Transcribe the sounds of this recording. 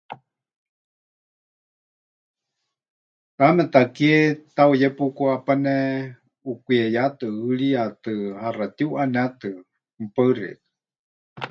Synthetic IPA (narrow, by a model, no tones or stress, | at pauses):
kamɛt̪akiet̪aujɛpukuapanɛ | ukʷiejat̪ɨɨɺiat̪ɨharat̪iuʔanat̪ɨ | m̩pəɨrɛ̰t̪ɨ̥